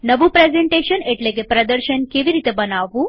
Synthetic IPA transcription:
nəʋupɾezeɳʈeɕəneʈlekepɾəd̪əɾɕənkeʋiɾit̪ebənaʋu

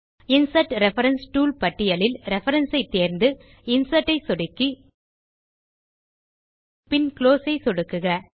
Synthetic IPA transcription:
ɪnsɐʈɾɛfɐɾɐnsʈuːlpɐʈːɪjɐlɪlɾɛfɐɾɐnsɐɪt̪ːeːɾnd̪ɯ | ɪnsɐʈːɐɪsɔɽɯkːi | pɪnkloːsɐɪsɔɽɯkːɯɣɐ

